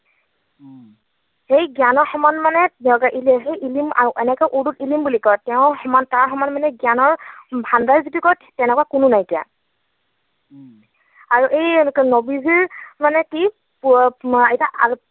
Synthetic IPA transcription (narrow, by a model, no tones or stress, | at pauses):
hejɡjanɔɹxɔmanmanɛɛkaʔilɦejilima̰ɹuʔɛnɛkɔʔudutilimbulikɔɹtɛʊ̃xɔmantaɹxɔmanmanɛɡjanɔɹbʱandajzitukɔɹtʰtɛnɛkwakʊnʊnajtija̰ | aɹuʔejknɔbiziɹmanɛki | pɛtaʔa̰